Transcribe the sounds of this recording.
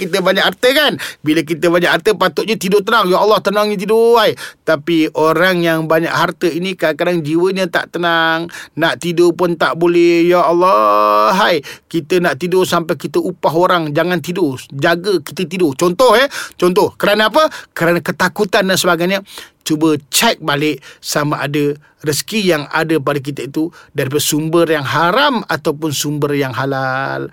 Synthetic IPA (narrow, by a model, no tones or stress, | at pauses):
kit̪əbaɲakːart̪əkanbilək̬it̪əbaɲaʔhart̪əpat̪ʊʔɲət̪idʊt̪ənaŋjaʔɑlːɑht̪ənaŋɲət̪̬idoajt̪apiʔoɾaŋjaŋbaɲa̰ʔɦart̪əinikakadaŋd͡ʒiwəɲət̪a̰ʔt̪ənaŋnaʔt̪idopʊnt̪a̰ʔbolɛhjalːɑɦajkit̪ənaʔt̪idʊsampajkit̪əʔupaɦoɾaŋd͡ʒaŋant̪idod͡ʒaɡəki̥t̪ət̪idot͡ʃɔnt̪ɔɦət͡ʃɔnt̪ɔhkəɾanaap̬əkəɾanakət̪akut̪andansəbaɡajɲət͡ʃubət͡ʃɛk̚balɪʔsamaʔadə | rəsə̥kijaŋa̰dəpadək̬it̪əit̪udaɾip̬adsumbərjaŋɦaɾamat̪awpʊnsumbərjaŋɦalal